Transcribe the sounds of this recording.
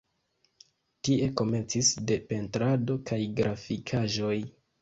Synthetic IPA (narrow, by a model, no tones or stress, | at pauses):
tie̞ko̞me̞nt͡sisde̞pe̞ntɾado̞kʰajɡɾafikʰaʒo̞j